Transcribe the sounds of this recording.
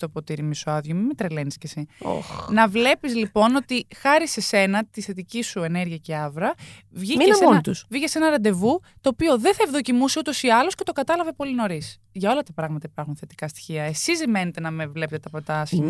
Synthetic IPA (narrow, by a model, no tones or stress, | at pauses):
t̪opo̞t̪iɾimisoɐðʝomimet̪ɾeleniscesio̰xnɐvle̞pizlipo̞no̞t̪ixɐɾise̞se̞nɐt̪isθe̞t̪icisuene̞ɾʝiɐce̞ɐvɾɐvʝiemonit̪usvicese̞nɐɾɐnd̪e̞vut̪o̞ːpio̞ðeθɐevðo̞cimuseut̪o̞siɐlo̞sce̞t̪o̞kɐt̪ɐlɐve̞po̞lino̞ɾis | ʝɐo̞lɐt̪ɐpɾɐɣmɐt̪ɐipɐɾxunθe̞t̪ikɐst̪i̥çiɐe̞sizime̞net̪e̞nɐme̞vle̞pet̪et̪ɐpo̞t̪ɐɐsçimɐ